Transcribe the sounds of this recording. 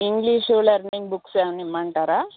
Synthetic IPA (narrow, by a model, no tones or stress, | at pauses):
iŋɡliʂolɐɾniŋɡbuksemnimːɐɳʈaːɾaː